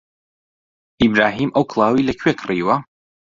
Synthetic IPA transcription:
ibɾaːɦiːmʔɐwkʰlˠɑːwilɐkʰɥekʰriːwɐ

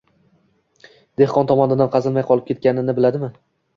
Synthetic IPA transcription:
d̪̥e̞hqʰɒnt̪ʰɒmɒnɪd̪anqʰɑzɪlmajqʰɒlˠɪp̚kʲe̞t̪̚kʲanɪnɪbɪlad̪ɪmɪ

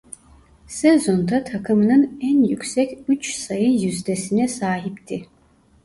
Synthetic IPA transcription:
sɛzo̞nt̪ʰat̪ʰakʰɯmnɯnɛnjykʲsɛkʲyt͡ʃʰsajɯjyzd̪ɛsinɛsaːɦipt̪ʰi

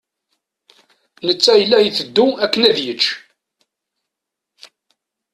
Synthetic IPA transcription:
nət͡sːæjəlːæjəθəd̪ːuækːənæðjət͡ʃː

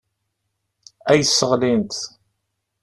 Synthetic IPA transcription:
æjəsːəʁlint̪

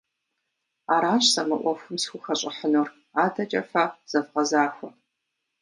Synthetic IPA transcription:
aːɾaːɕsɐmɐʔʷɔxʷʊmsxʷʊxɐɕʼɪħənuːr | aːdɐt͡ʃʼɐfaːz̥ɐvqɐzaːxʷɔ

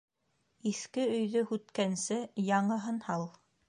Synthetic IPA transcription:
iθkɘɵ̆jðɵhʉt̪kænsɘjɑɴɤɦɤ̆nhɑlˠ

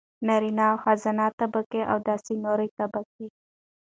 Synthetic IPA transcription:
naɾinɑwxazanɑt̪abakeʔa̰wd̪ɑsinoɾəjt̪abak̚e

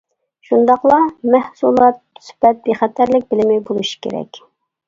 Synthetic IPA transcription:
ʃund̪ɑqlˠɑmɛhsulˠɑt̪̚spɛt̪̚beχɛt̪ʰːæɾlɪk̚ʲbɪlɪmɛjbolˠuʃi̥kʲʰḛɾɛ̰kʲ

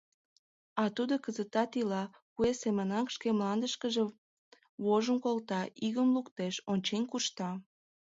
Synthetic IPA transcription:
ɑt̪ud̪okəzət̪ɑt̪ilɑkuesemənɑkʃkemlɑnd̪əʃkəʒe | βoʒənkolt̪ɑʔiɣəmlukt̪eʃonʲt͡ɕenʲkuʃt̪ɑ

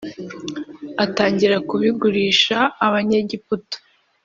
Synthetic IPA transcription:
ataːɲɟiɾakuβiɡuɾiːʃaːβaɲeɟiputo̥

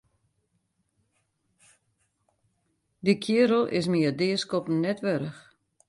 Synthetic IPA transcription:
dikʰjɪəɾəl̩ˠʔɪ̰s̬miədɪːəskɔpn̩nɛtʋøɾəx

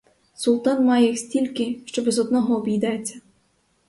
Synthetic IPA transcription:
sulˠt̪ɑnmɑjɛixsʲtʲilʲkɪʃt͡ʃɔbɛzɔd̪̚nɔɦɔːbʲijd̪ɑjet͡sʲːɐ

